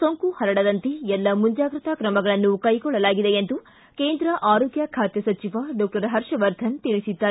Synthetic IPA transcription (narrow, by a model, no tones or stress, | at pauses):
soŋkuhɐɾɐɽɐd̪ɐnt̪iɛlːɐmuɲd͡ʒaːɡɾɐt̪ɐkɾɐmɐɡɐɭɐnːukɐjkɔɭːɐlaːɡid̪eend̪u | keːnd̪ɾɐʔaːɾoːɡjɐkʰaːt̪jɐsɐt͡ʃiʋɐɖɔːk̚ʈɐɾɦɐɾʂɐʋɐɾd̪ʱɐnt̪iɭisid̪ːaː